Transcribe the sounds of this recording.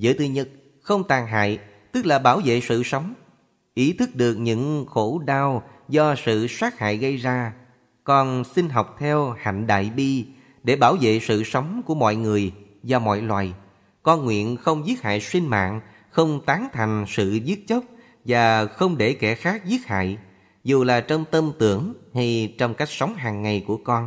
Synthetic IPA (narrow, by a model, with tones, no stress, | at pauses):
zɨ̰˧˨˦t̪ɨ˨˩ɲə˦˥t̚ | xə˧wŋ͡mt̪aː˨˩ŋɦa̰ː˧˨j | t̪ɨ˦˥k̚laː˨˩ɓaː˧˩wvḛ˧˨sɨ̰˧˨sə˨˦wŋ͡m | ʔi˨˦t̪ʰɨ˦˥k̚ɗɨ˨˩ək̚ɲɨ̰˧˥ŋxo˧˥ɗaː˧wzɔ˧sɨ̰˧˨swaː˦˥k̚ha̰ː˧˨jɣə˧jzaː˧ | kɔ˧nsi˧ŋ̟ɦɔ˨˩wk͡p̚t̪ʰɛ˧wha̰˧˨ŋ̟ɗa̰ː˧˨jɓi˧ | ɗe˧˩ɓaː˧˩wvḛ˧˨sɨ̰˧˨sə˨˦wŋ͡mku˧˩əmɔ̰˧˨jŋɨ˨˩əj | zɔ˧mɔ̰˧˨jlwaː˨˩j | kɔ˧nŋwḭ˧˨ənxə˧wŋ͡mzi˦˥ət̚ha̰ː˧˨jswi˧nma̰ː˧˨ŋ | xə˧wŋ͡mt̪aː˨˦ŋt̪ʰa˨˩jŋ̟sɨ̰˧˨zi˦˥ət̚t͡ɕə˦˥k͡p̚ | vaː˨˩xə˧wŋ͡mɗe˧˩kɛ˧˩xaː˦˥k̚zi˦˥ət̚ha̰ː˧˨j | zu˨˩laː˨˩t͡ɕɔ˧wŋ͡mt̪ə˧mt̪ɨ˧˩əŋha˧jt͡ɕɔ˧wŋ͡mka˦˥jk̚sa˨˦wŋ͡mɦaː˨˩ŋːa˨˩jku˧˩əkɔ˧n